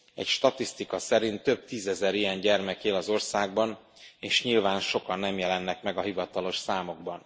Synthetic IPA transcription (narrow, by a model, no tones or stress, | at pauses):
ɛ̰cʃt̪ɒt̪ist̪ikɒsɛɾint̪ːø̞b̚t̪iːzɛzɛɾijɛɲɟɛrmɛkeːlɒzo̞rsaːɡ̚bɒn | eːʃɲilvaːnʃo̞kɒnːɛmjɛlɛnːɛkmɛɡɒɦivɒt̪ɒlo̞ʃsaːmo̞ɡ̚bɒn